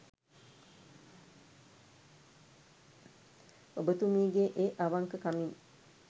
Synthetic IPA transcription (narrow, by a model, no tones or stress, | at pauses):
obət̪umiːɡeʔeʔaʋaŋkəkamin